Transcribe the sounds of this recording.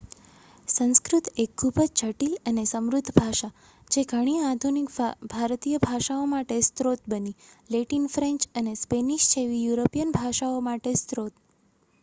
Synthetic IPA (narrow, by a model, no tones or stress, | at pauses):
sə̃skɾut̪ekʰːubət͡ʃʰəʈilənesəmɾud̪ʱːbʱaʃa | d͡ʒeɡʱəɽ̃iad̪ʱunikbʱaɾt̪ijəbʱaʃaomaʈest̪ɾot̪bənileʈinfɾẽɲt͡ʃənespeniʃt͡ʃʰeʋijuɾopijənbʱaʃaomaʈest̪ɾot̪